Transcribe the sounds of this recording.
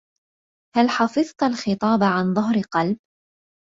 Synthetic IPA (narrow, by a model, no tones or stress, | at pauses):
halħɑfɨðˤt̪alxɨt̪ˤɑːbʕanðˤʊɦɾɪqɑlb̚